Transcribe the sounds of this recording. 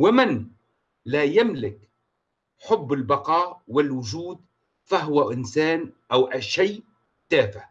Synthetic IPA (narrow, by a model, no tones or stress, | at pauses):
wɪmɪn | laːjamlɪk | ħʊbːɪlbɑqɑːʔwɪlwʊʒuːd̪ | faɦʊwaʔɪnsaːnʔawʔaʃaj | t̪aːfɪ